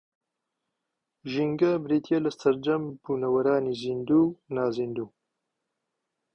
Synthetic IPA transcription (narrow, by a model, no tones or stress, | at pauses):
ʒiŋɡabɾit̪ʰjalast̪ʰaɾd͡ʒambunawaɾɑːnizind̪unɑːzind̪u